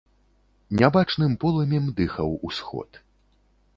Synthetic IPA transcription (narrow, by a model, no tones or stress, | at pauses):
nʲabat͡ʂnɨmpɔlˠɐmʲɛmd̪ɨxɐwusxɔ̰t̪